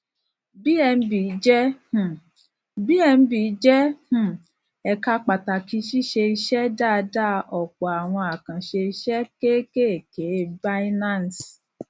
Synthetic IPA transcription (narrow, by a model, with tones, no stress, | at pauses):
bi˦ɛ˧n̩˦bi˨˦d͡ʒɛ˦h̩˨ | bi˦ɛ˧n̩˦bi˨˦d͡ʒɛ˦h̩˨ | ɛ˨ka˧k͡pa˨ta˨ki˧˦ʃi˦ʃe˧i˧ʃɛ˦da˦˨˧da˦˨ɔ˨k͡pɔ˨a˨w̃ɔ̃˧a˨kã˨ʃe˧i˧ʃɛ˦ke˦ke˦e˨ke˨˦ba˦i˦nã˦˨n˨s